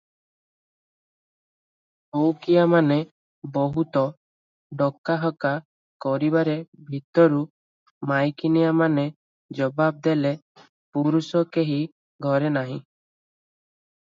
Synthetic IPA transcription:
okijamane | bɔɦut̪ɔ | ɖɔkaɦɔka | kɔɾibaɾebʱit̪ɔɾu | majkinijamane | d͡ʒɔbab̚d̪ele | puɾusɔkeɦi | ɡʱɔɾenaɦĩ

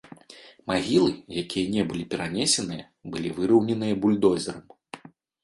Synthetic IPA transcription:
maɣʲilˠɨjakʲijɐnʲɛbɨlʲipʲɛɾanʲɛsʲɛnɨjɐ | bɨlʲivɨɾɐwnʲɛnɨjɐbulʲd̪ɔzʲɛɾɐm

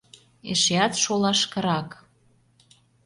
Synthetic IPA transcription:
ḛʃeɑt̪ʃolɑʃkɤ̆ɾɑk

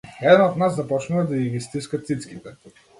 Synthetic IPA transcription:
ɛd̪ɛnot̪naszɐpɔt͡ʃnuvad̪ɐivʲist̪iskɐt̪sit̪skʲit̪ɛ

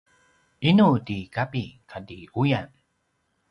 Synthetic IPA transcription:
inudikapikʰadiujan

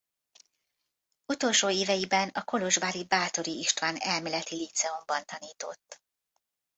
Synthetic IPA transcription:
ut̪o̞lʃoːeːvɛjibɛnɒko̞lo̞ʒbaːɾibaːt̪o̞ɾiiʃt̪ʋaːnɛlmeːlɛt̪ilit̪sɛo̞mbɒnt̪ɒniːt̪o̞̰t̪ː

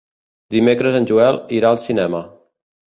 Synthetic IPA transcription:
d̪imekɾəzənʲʒuɛlˠiɾaəlˠsinɛmə

